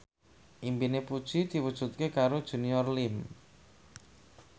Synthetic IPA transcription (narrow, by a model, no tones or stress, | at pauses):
ʔimpinepud̥ʒ̥id̪̥i̤wud̥ʒ̥ṳt̪̚kekaɾod̥ʒ̥ṳniɔrlɪm